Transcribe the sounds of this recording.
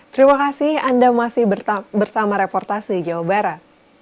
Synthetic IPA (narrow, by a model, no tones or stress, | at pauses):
t̪əɾimakasɪhandamasɪhbərsamaɾepɔrt̪asid͡ʒawabaɾat̪̚